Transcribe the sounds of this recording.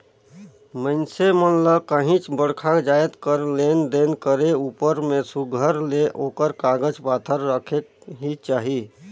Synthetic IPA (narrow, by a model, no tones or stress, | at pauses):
məɪnsemənləkəɦĩt͡ʃbəɽkʰãd͡ʒajt̪kəɾlend̪enkəɾeupəɾmesuɡʱəɾleʔokəɾkaɡəd͡ʒpat̪ʰəɾːəkʰek̚ɦit͡ʃaːɦi